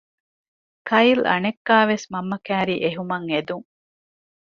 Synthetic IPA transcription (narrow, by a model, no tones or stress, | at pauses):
kʰɐjlɐ̰nekːaːʋesmɐmːɐkæːɾiːʔeɦumɐŋed̪uŋ